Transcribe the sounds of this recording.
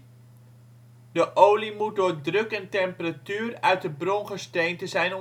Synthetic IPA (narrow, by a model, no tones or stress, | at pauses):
dəʔowlimut̚doːɹdrɵkɛntɛmpəratyːrœɥt̚dəbrɔnχəstejntəzɛjnɔ